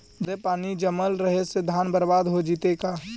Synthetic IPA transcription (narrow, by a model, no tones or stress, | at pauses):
d̪epaːnid͡ʒəməlɾəɦesed̪ʱaːnbəɾbaːd̪ɦod͡ʒiːt̪eka